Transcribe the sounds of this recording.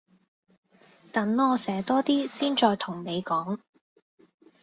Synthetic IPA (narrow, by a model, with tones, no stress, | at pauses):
t̪ɐ˨˥nɔː˧sɛː˨˩t̪ɔː˥t̪iː˥siː˥nt͡ʃɔː˧jt̪ʰʊ˨˩ŋne˨˧jkɔː˨˥ŋ